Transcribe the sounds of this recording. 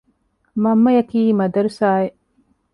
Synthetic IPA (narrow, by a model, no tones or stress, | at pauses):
mɐmːɐjɐkiːmɐd̪ɐɾusaːe